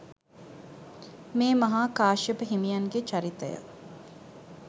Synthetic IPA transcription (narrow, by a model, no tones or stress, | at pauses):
meːmɐɦaːkaːʃipəɦimijɐŋɡet͡ʃɐɾit̪ə̰jə̰